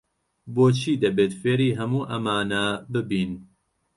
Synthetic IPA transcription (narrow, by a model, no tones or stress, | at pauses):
boːt͡ʃʰiːd̪ɐbeːt̪feːɾiːɦɐmuːʔɐmaːnabɨbiːn